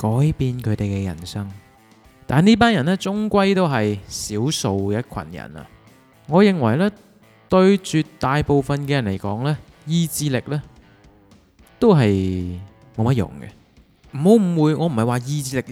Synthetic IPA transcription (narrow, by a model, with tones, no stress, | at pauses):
kɔː˨˦jpiː˧nkʰɵ˨˧˥t̪e˨jkɛː˧jɐ̰˨˩nsɐ˥ŋ | t̪aː˨niː˥p̬aː˥njɐ˨˩nlɛː˥t͡sʊ˥ŋkʷɐ˥jt̪o˥wɦɐ˨jsiː˨˥wso˨wjɐ˥kʰɐ̰˨˩njɐ̰˨˩nɐ̰˨ | ŋɔː˨˧jɪ˨ŋwɐ˨˩jlɛː˥ | t̪ɵ˧ɥt͡ʃyː˧tt̪ːaː˨jpo˨˧wfɐ˨nkɛː˧jɐ˨˩nle˨˩jkɔː˨˥ŋlɛː˥ | jiː˧t͡siː˧lɪ˨k̚lɛː˥ | t̪o˥wɦɐ˨j | mo˨˧wmɐ˥t̚jʊ̰˨˩ŋɡɛ̰˧ | m̩˨˩ho˨˥wm̩˨˩wuː˨˧jŋʔɔː˨˧m̩˨˩hɐ˨jwaː˨jiː˧t͡siː˧lɪ˨˩k̚